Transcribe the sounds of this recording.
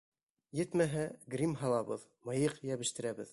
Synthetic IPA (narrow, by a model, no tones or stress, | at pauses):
jɘ̆t̪mæɦæɡrʲimɦɑlˠɑβɤð | mɤ̆jɤqjæβɘ̆ʃt̪ɘ̆ɾæbɘ̰ð